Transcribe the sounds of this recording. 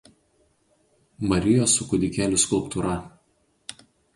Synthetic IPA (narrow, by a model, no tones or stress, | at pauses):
mɐɾʲɪjoːsʊkʊd̪ʲɪkʲæːlʲʊskʊlˠpt̪uɾɐ